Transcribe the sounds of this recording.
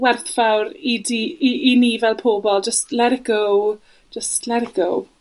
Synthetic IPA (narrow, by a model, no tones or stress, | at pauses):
wɛrθfawɾidiiiniːvɛlˠpʰoːbɔlˠd͡ʒəstlɛɾɪɡow | d͡ʒəstlɛɾɪɡow